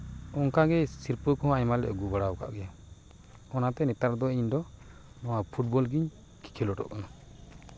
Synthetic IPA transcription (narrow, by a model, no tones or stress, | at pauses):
ɔŋkaɡɛsiɾpəkɔɦɔ̃aɲmalɛ̰ʔɡubaɽaɔka̰ʔɡɛja | ɔnat̪ɛnɛt̪aɾd̪ɔiɲd̪ɔ | nɔwapʰuʈ̚bɔlɡiɲ | ki̥kʰilɔʈɔ̰ʔkɔna